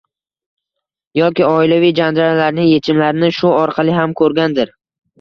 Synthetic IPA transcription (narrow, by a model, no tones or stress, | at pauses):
jɒkʲɪɒɪlavijd͡ʒand͡ʒaɾalaɾnɪŋje̞t͡ʃʰɪmlaɾɪnɪʃʊɒɾqʰɑlˠɪɦamkʰɵɾɡʲand̪ɪɾ